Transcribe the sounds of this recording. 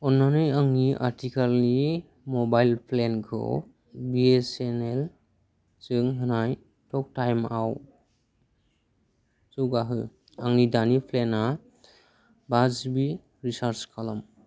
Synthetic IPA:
ɔnːanɯjaŋniʔa̰ɾtʰikalni | mɔbajlpʰlenkʰɯ̰ | biesenel | t͡ʃɯŋɦɯnaj | tʰɔk̚tajmaw | suɡaɦɯ | aŋnidanipʰlena | bazbi | ɾisaɾskʰalam

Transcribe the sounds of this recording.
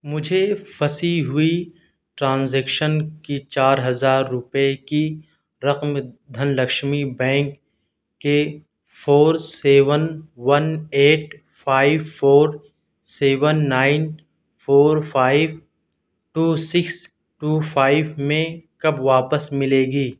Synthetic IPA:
mʊd͡ʒʱefɐsiɦʊi | ʈɾãːnzɛːkʃənkit͡ʃaːɾɦɐzaːɾːʊpeki | ɾɐqmd̪ʱɐnlɐkʃmibɛ̃ːŋkː | e | foːɾseːʋənʋɐneːʈ | fʰaːɪʋfoːɾ | seːʋənːaːɪn | fʰoːɾfʰaːɪʋ | ʈuːsɪks | ʈuːfʰaːɪʋmẽkɐbʋaːpəsmɪleːɡiː

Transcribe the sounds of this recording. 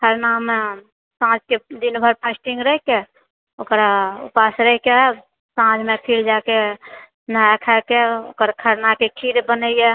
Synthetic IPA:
kʰəɾname | sãd͡ʒked̪inbʱəɾpʰasʈiŋɡɾəɦke | okɾaṵpasɾəɦike | sãd͡ʒmepʰiɽd͡ʒake | naɛkʰɛkeo̰kəɾkʰəɾnakekʰiɾbənəijɛ

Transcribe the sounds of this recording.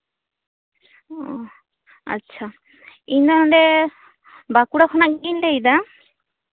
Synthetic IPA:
ɔ | a̰tːt͡ʃʰa | iɲd̪ɔnɔɖɛ | bakuɽakʰɔnaʔɡiɲlɛjd̪a

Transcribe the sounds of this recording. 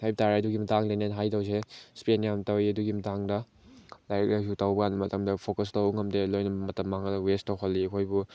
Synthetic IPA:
hajbtaɾaɐduɡimɐtaŋdanenɦajtɐws̬espenjamtɐwjɐduɡimɐtaŋdɐ | lajɾɐk̚laksutawbɐɡanːɐmɐtɐmdɐpʰokɐstawŋɐmdelojnɐmɐtɐmːaŋɐlɐwestɐwɦɐlːiɐkʰojbu

